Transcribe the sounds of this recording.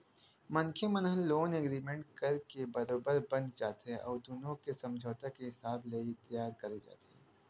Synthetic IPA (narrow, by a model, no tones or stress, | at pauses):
mɐnkʰemɐnɦəlːoːnɛɡɾiːmẽɳʈ̚kɐɾkebɐɾoːbəɾbɐ̃nt̪d͡ʒaːt̪ɛʔɔ̰ːɾd̪oːnõkesɐ̃md͡ʒʱoːt̪akeɦɪsaːbleit̪jaːɾkɐɾed͡ʒa̰ːt̪eɛː